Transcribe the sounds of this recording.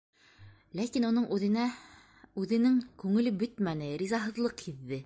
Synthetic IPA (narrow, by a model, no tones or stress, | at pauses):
lækinunɤɴʔʉðɘ̆næ | ʉðɘ̆nɘŋkʉŋɘ̆lɘbɵt̪mænɘɾizɑɦɤ̆ðlˠɤqhiðːɘ